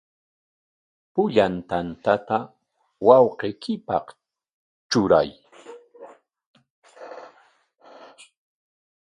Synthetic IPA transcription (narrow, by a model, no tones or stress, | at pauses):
pʊʎant̪ant̪at̪a | wɑwqejkʰɪpɑ̰q | t͡ʃʊɾa̰j